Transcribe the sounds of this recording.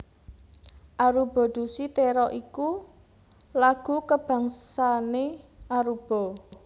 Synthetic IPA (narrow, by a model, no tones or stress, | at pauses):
ʔaɾub̥ɔ̤ɖ̪̥ṳsit̪eɾɔʔiku | laɡ̥ukəb̥ä̤ŋsaneʔaɾub̥ɔ̤